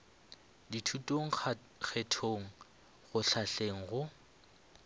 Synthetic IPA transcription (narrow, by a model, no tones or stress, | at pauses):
ditʰutʼoŋ̩ | k͡xɛtʰoŋ̩ | ɣʊɬʰaɬeŋ̩ɣʊ